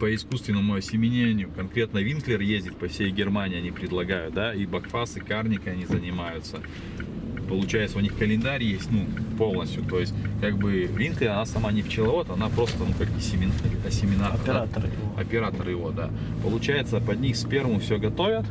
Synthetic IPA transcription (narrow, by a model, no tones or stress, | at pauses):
pəɪskust̪vʲɪnːəmʊɐsʲɪmʲɪnʲenʲɪjʊkɐnkɾʲe̞t̪nəvʲinklʲɪrjezʲdʲɪt̪̚pɐfsʲejɡʲɪrmanʲɪɐnʲipɾʲɪd̪lˠɐɡajʊt̪̚d̪aibɐkfasɨkarnʲɪkəɐnʲizənʲɪmajʊt̪sə | pəlˠʊt͡ɕæjɪt̪səʊnʲixkəlʲɪnd̪aɾʲjesʲtʲnupo̞lˠnəsʲtʲjʊt̪o̞jɪsʲt̚ʲkaɡ̚bɨvʲinklʲɪɐnasɐmanʲɪft͡ɕɪlˠɐvo̞t̪ɐnapɾo̞st̪ənukaɡ̚bɨsʲɪmʲɪnɐsʲɪmʲɪnaat̪ɐ̰pʲɪɾat̪əɾɨjɪvod̪a̰ | pəlˠʊt͡ɕæjɪt̪səpɐd̪ʲnʲixsʲpʲe̞rvəmfsʲɵɡɐt̪o̞vʲət̪